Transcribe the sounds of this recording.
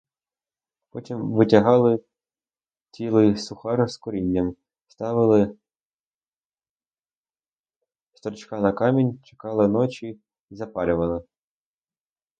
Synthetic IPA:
pɔtʲimʋɪtʲɐɦɑlˠɪ | t͡sʲilˠɪsʊxɑɾskɔɾʲinʲːɐm | st̪ɑʋɪlˠɪ | st̪ɾɔt͡ʃkɑnɐkɑmʲinʲt͡ʃe̥kɑlˠɪnɔt͡ʃʲi | zɐpɑlʲʊʋɐlˠɪ

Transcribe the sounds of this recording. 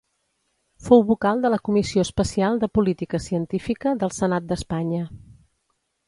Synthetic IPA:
fowβukalˠd̪ələkumisioəspəsialˠd̪əpulit̪ikəsiənt̪ifikəðəlˠsənat̪̚d̪əspaɲə

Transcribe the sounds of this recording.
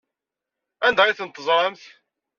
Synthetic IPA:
ænd̪æʁiθənt̪ˤːəzˤɾˤɑmθ

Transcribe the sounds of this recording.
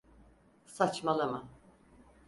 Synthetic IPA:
sat͡ʃmalˠɯmɯ

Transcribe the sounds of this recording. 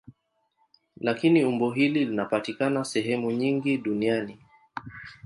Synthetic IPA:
lakiniumbɔɦililinapatikanasɛɦɛmuɲiŋɡiɗuniani

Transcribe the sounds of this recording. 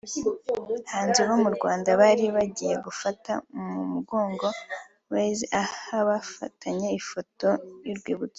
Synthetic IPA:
haːnzeβomuɾɡwaːndaβaɾiβaɟije̞ɡufatamumuɡo̞ːŋɡo̞ | βazahaβafa̰tʰaɲe̞ifo̞to̞juɾɡwiːβut͡so

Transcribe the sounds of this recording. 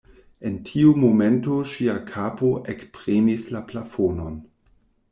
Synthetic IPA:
e̞ntʰiumomentoʃiakʰapoʔekspʁimislaplafonon

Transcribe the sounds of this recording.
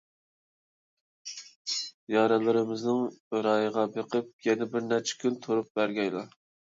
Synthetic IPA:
jɑɾɛlˠɨɾɪmɪznɨŋɾɑjəʁɑbeqʰəp̚jɛnɛbɪɾnæɾt͡ʃʰɛ̥kʲʰynt̪ʰoɾup̚bæɾɡʲɛjlˠɑ̰

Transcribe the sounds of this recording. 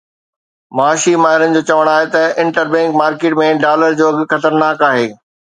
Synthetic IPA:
mɐaːʃimaːɦɪɾənɪ̆d͡ʑoːt͡ɕɐʋəɽ̃aːɦet̪ɐɪ̃ɳʈəɾbɛ̃ŋkmaːɾkeːʈmẽɖaːləɾd͡ʑoːɐɡxɐt̪əɾnaːkaːɦeː

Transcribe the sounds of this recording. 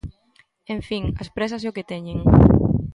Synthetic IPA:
ẽɱfiŋɐspɾɛs̬as̬eoket̪ɛɲeŋ

